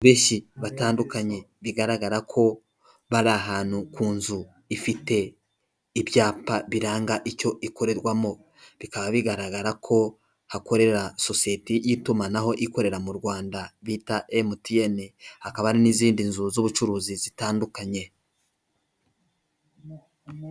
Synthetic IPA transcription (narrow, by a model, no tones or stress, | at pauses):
βeːʃiβataːndukaɲe̞ | βiɡaɾaɡaɾakʰo̞ | βaɾaɦaːn̥hukuːnzu | ifite̞ | iβjaːpaβiɾaːŋɡaʔico̞ʔiko̞ɾe̞ɾwamo̞ | βikaβaβiɡaɾaɡaɾakʰo̞ | hako̞ɾe̞ɾaso̞sijetijitumanaɦo̞ʔiko̞ɾe̞ɾamuɾwaːndaβitaʔemutije̞nihakaβaɾiniziːndinzuzuβut͡ʃuɾuːzizitaːndukaɲe̞